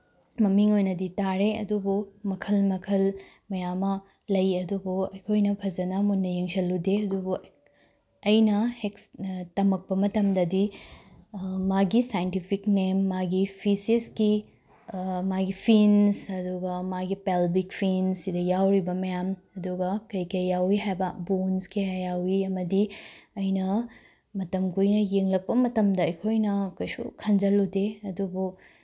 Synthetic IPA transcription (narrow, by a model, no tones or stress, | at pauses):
mɐmiŋojnɐditaɾeɐ̰dubumɐkʰɐlmɐkʰɐl | mɐjamːɐ | lɐjɐdubuɐjkʰojnɐpʰɐd͡ʒɐnɐmunːɐjiŋsɐlːudeɐdubu | ɐjnɐhekstɐmɐk̚pɐmɐtɐmdɐdi | maɡisajntipʰiknemːaɡipʰisiski | maɡipʰinsɐduɡɐmaɡipelbikpʰinsidɐjawɾibɐmɐjamɐduɡɐkɐjkɐjːawiɦajbɐbonskejajawiɐmɐdiɐjnɐ | mɐtɐmkujnɐjeŋlɐk̚pɐmɐtɐmdɐːjkʰojnɐɐkojsṵkʰɐnd͡ʒɐludeɐdubu